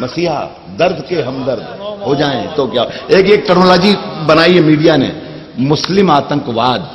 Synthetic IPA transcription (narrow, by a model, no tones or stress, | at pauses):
mɐsiːɦa̰ | d̪ɐɾd̪ʱkeɦɐ̃md̪ɐɾd̪ʱɦod͡ʒaːẽt̪okjaːɦeːkeːk̚ʈɛknoːlɔːd͡ʒibɐnaːiɦɛmiːɖijanḛ | mʊslɪmaːt̪ə̃ŋkʋaːd̪